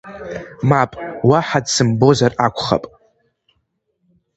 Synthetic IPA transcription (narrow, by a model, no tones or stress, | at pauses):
mapʼwaħadsɨmbo̞zarakʷʰʼχa̰pʼ